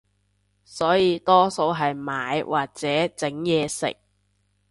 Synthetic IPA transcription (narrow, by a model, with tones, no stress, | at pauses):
sɔː˨˥jiː˨˧t̪ɔː˥so˨˥wɦɐ˨jmaː˨˥jwʔaː˨˩k̚t͡sɛː˨˥t͡sɪ˨˥ŋjɛː˨˧sɪ̰˨k̚